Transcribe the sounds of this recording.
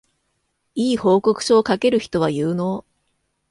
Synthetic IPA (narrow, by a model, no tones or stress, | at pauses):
iːho̞ːko̞kɯ̟̥ɕo̞ːkake̞ɾɯ̟çi̥t̪o̞β̞ajɯːno̞